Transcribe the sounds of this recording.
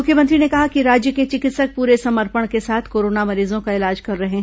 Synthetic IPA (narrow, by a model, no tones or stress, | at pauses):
ʊkʰjəmɐ̃nt̪ɾinekɐɦakiɾaːd͡ʒjəket͡ʃɪkɪt̪sək̚puːɾesɐməɾpəɽ̃kesaːt̪ʰkoːɾoːnamɐɾiːzõkaɪlaːd͡ʒkɐɾːɐɦeɦɛ̃ː